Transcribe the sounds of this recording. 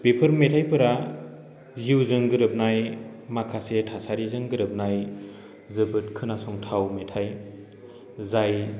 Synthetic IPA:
pepʰɯɾmetʰajpɯɾa | ziwzɯŋɡɯɾɯp̚najmakʰasetʰasaɾizɯŋɡɯɾɯp̚naj | zɯbɯt̚kʰɯnasɔŋtʰawmetʰaj | zaj

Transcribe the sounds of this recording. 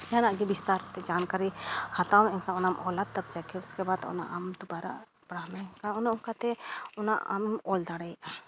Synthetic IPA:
d͡ʒanaʔɡibist̪aɾt̪ɛd͡ʒankaɾihat̪awɛnkaʊnamʔɔlad̪̚t̪ɐb̚d͡ʒakɛʊskɛbad̪ʊ̰na̰ʔamd̪ubaɾa̰ | pɽamɛkaʊnaʊkat̪ɛʊna̰ʔa̰mɔld̪aɽɛa

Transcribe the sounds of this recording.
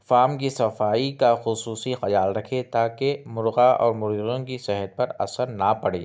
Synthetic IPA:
faːmkisɐfaːikaxʊsuːsixɐjaːlɾɐkʰet̪aːkemʊɾɣaɔ̰ːɾmʊɾiɣõkisɛɦət̪̚pɐɾɐ̰səɾnapɐɽeː

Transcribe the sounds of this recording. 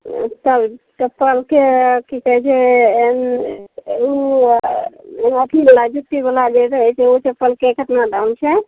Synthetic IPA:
t̪əbt͡ʃəpːəlkekikəɦɛt͡ʃʰɛen | u | enətʰilad͡ʒut̪ːibəlad͡ʒeɾəɦɛt͡ʃʰɛot͡ʃəpːəlkekəʈ̪naɖawnt͡ʃʰɛ

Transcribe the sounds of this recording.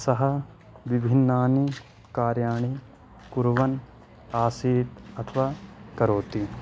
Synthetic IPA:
sɐɦɐ | ʋibʱinːaːni | kaːɾjaːɳi | kuɾʋɐn | aːsiːt̪ɐt̪ʰʋaːkɐɾoːt̪i

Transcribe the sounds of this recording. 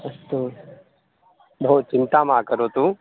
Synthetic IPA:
ɐst̪oː | bʱoːt̪̚t͡ʃɪnt̪amaːkəɾoːt̪uː

